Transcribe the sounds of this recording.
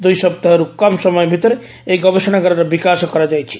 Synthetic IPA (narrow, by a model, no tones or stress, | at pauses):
d̪ujsɔbt̪aɦɔɾukɔmsɔmɔjbʱit̪ɾe | eɡɔbeʃɔñaɡɔɾaɾabikaskɔɾad͡ʒajt͡ʃʰi̥